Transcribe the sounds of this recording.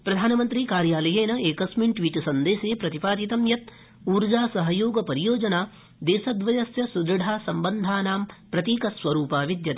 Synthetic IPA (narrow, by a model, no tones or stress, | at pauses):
pɾɐd̪ʱaːnɐmɐnt̪ɾiːkaːɾjaːlɐjeːnɐeːkɐsmiɳʈʋiːʈsɐnd̪eːseːpɾɐt̪ipaːd̪it̪ɐmjɐt̪̚ | uːɾd͡ʒaːsɐɦɐjoːɡɐpɐɾijoːd͡ʒɐnaː | d̪eːsɐd̪ʋɐjɐsjɐsud̪ɾɐɖʱaːsɐmbɐnd̪ʱaːnaːmpɾɐt̪iːkɐsʋɐɾuːpaːʋid̪jɐt̪e